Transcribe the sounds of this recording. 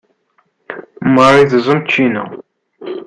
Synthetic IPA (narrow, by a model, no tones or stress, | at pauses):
məɾˤiðzˤəmt͡ʃːinæ̰